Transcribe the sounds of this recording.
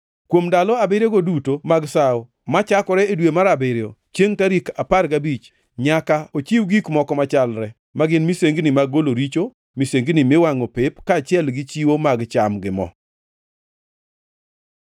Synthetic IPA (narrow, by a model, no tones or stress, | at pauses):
kwomdalɔabeɾjeɡodutomaɡsaɔ | mat͡ʃakɔɾɛedwemaɾabeɾjot͡ʃeŋkaɾikaparɡabit͡ʃ | ɲakaot͡ʃiwɡikmɔkɔmat͡ʃalɾɛ | maɡɪnmiseŋɡnɪmaɡoloɾit͡ʃo | miseŋɡnɪmɪwaŋopepkaːt͡ʃɪɛlɡɪt͡ʃiwomaɡt͡ʃamɡɪmɔ̰